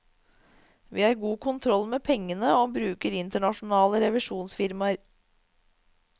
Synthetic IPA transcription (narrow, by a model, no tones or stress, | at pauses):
ʋiːhɑːɾɡuːkʰʊnt̪ʰɾɔlmeːpʰɛŋːənəoːbɾʉːkəɾɪnt̪əɳɑʂʊnɑːləɾɛʋɪʂuːnsfɪɾmɑɾ